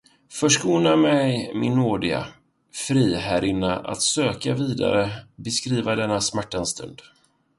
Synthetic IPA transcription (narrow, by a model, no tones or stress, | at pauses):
fœʂkuːnamɛjmɪ̰nːoːɖɪɡa̰ | fɾiːhæɾʔɪnːaʔa̰t̪søːkaviːd̪a̰ɾəbɛskɾiːvad̪ɛnːasmæʈːanst̪ʰɵ̰nd̪̥